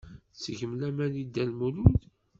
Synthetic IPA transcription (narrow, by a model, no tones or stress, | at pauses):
səʝəmlæmænid̪ːælmulud